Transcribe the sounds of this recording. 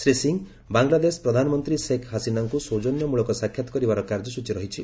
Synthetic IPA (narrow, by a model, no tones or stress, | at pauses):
sɾisiŋ | baŋɡlad̪esɔ̥pɾɔd̪ʱanɔmɔnt̪ɾisekʰɦasinaŋkusod͡ʒɔnjɔmuɭɔkɔsakʰːjat̪ɔ̥kɔɾibaɾɔkaɾd͡ʒɔsut͡ʃiɾɔɦit͡ʃʰi